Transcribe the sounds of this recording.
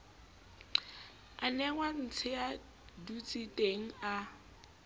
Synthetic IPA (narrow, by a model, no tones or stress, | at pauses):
anɛŋwan̩t͡sʰɪa | dut͡sʼitʼeŋ̩a